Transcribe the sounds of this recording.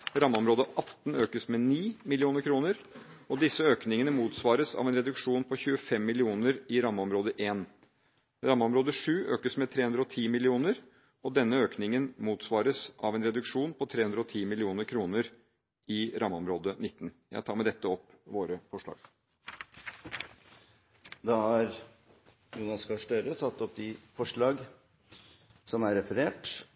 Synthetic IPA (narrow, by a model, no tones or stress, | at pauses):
ɾɑməɔmɾoːd̪əʔɑt̪ːn̩øːkəsmɛniːmɪlɪuːnəɾkʰɾuːnəɾ | ɔd̪ɪsːəøːknɪŋənəmuːt̪sʋɑːɾəsɑ̰ʋɛnɾɛd̪ʉkʂuːnpʰɔçʉːəfɛmːɪlɪuːnəɾɪɾɑməɔmɾoːd̪əʔeːn | ɾɑːməɔmɾoːd̪əʂʉːʔø̰ːkəsmɛt̪ʰɾeːʉnd̪ɾɔt̪ʰiːmɪlɪuːnəɾ | ɔd̪ɛnːəøːknɪŋənmuːt̪sʋɑːɾəsʔɑ̰ʋɛnɾɛd̪ʉkʂuːnpʰɔt̪ʰɾeːhʉnd̪ɾəɔt̪ʰiːmɪlɪuːnəɾkʰɾuːnəɾ | ɪɾʔɑːməɔmɾoːd̪ənɪt̪ːnjæ̰ɪt̪ʰɑːɾmæɪd̪ɛt̪ːəɔpːʋoːɾəfɔʂɭɑ̰ːɡ̥ | d̪ɑhɑɾ | junɑskɑʂʈœɾət̪ʰɑt̪ːɔp̚d̪ɪfɔʂɭɑːɡ | sɔmæɾɛfəɾeːʈ